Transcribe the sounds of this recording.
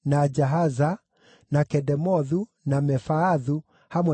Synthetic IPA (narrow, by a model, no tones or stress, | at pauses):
nad͡ʒaɦaza | nakɛdɛmɔðu | namɛfaːðu | hamwɛ